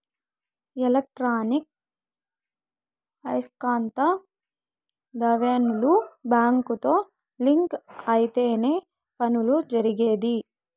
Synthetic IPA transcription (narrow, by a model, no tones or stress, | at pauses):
elɐk̚ʈɾaːnik̚ | ɐjskaːnt̪ɐ | d̪ɐʋeːnulubaːŋkut̪o̞ː | liŋkɐjit̪e̞ːne̞ː | pɐnulud͡ʒɐɾiɡeːd̪i